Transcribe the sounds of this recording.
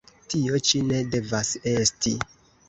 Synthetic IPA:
tio̞t͡ʃine̞de̞vase̞sti

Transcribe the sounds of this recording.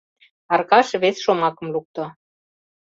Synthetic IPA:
ɑrkɑʃβesʃomɑkə̆mluk̚t̪o

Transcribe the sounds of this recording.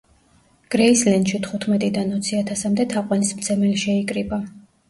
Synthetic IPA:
ɡ̥ɾɛislɛnd̪ʃit̪ʰχut̪ʰmɛt̪ʼid̪anɔt̪sʰiat̪ʰasamd̪ɛt̪ʰaqʼwanismt̪sʰɛmɛliʃɛikʼɾiba

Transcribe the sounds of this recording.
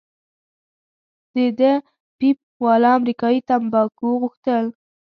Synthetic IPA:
d̪̥əd̪ə | pip̚wɑlɑamɾikɑit̪ambɑkuɣuxt̪əl

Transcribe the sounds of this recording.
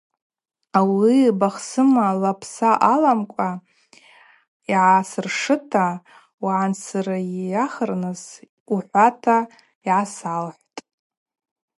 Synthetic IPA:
awibaχsɨmalapʰsaʔalamkʷʼa | iʕasɨrʂɨtʰa | waʕansʰɨraijaχərnɨs | uħʷatʰa | iʕasalħʷtʼ

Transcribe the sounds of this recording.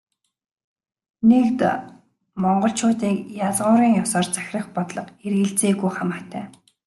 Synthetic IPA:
nekt̪ | mɔɴɢɞ̆ɬt͡ɕʰʊːt̪iːkjaɮʁʊːɾiːŋjʊsɔːrt͡sḁxʲrə̆χpɔt̪ɮɞ̆qerɣɘ̆ɬt͡seːɣujχamaːt̪ʰæ̰ː

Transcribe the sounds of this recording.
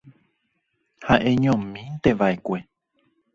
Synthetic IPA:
haʔẽ̞ɲõmĩt̪e̞ʋaekʷe̞

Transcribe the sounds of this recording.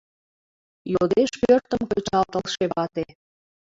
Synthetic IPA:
jod̪eʃpøɾt̪əmkəjt͡ɕɑlt̪əlʃeβɑt̪e

